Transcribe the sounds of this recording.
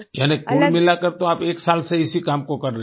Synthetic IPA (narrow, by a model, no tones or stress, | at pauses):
d͡ʒɛːnekuːɖmɪlakəɾt̪oaːpeːksaːlseɪsikaːmkokɐɾːə